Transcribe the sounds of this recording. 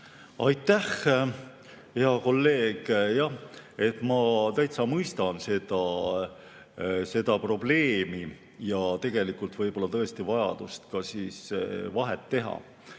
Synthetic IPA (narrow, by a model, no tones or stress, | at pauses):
ɑjt̪ːˑæh | heɑko̞lːe̞ːɡ̥jɑe̞t̪ːˑmɑt̪æjt̪sɑmɯjst̪ɑnse̞d̪̥ɑ | se̞d̪̥ɑpro̞b̥le̞ːmi | jɑt̪e̞ɡ̥e̞likult̪vɤjb̥o̞lːɑt̪ɤ̞est̪ivɑjɑ̰d̪̥ust̪kɑsiːsvɑɦet̪ːe̞ɦɑ̰